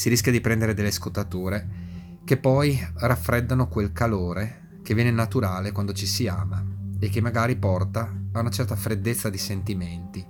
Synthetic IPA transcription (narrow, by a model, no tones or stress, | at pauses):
siɾiskʲjad̪ipɾɛnd̪eɾed̪elːeskot̪ːat̪uːɾe | kepːɔjrafːɾɛd̪ːanokwelkaloːɾe | kevːjɛːnenat̪uɾaːlekwand̪ot͡ʃisiaːmaek̟ːemːaɡaːɾipɔrt̪aːunat͡ʃɛrt̪afɾed̪ːet̪sːad̪isent̪iment̪i